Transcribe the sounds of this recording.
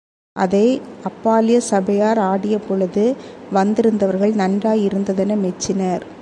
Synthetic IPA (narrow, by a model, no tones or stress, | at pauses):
ʔɐðɐɪɐpːaːlɪjɐsɐbɐjaːɾaːɽɪjɐpɔɭɐðɯʋɐnd̪ɪɾɯnd̪ɐʋɐɾɣɐɭnɐndraːjɪɾɯnd̪ɐðɛnɐmɛt͡ʃːɪnɐɾ